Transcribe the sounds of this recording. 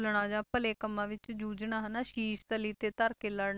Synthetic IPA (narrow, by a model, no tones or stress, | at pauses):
lɳãːd͡ʒãːpəleːkəmːãːʋɪt͡ʃd͡ʒuːd͡ʒɳãːɦənaːʃiːʃt̪əliːt̪eːt̪əɾkeːləɽ